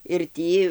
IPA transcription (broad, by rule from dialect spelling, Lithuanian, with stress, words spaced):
ɪr ˈtʲiː